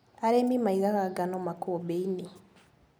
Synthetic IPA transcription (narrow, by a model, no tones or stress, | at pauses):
aɾemimaiɣakaɡanomakobeini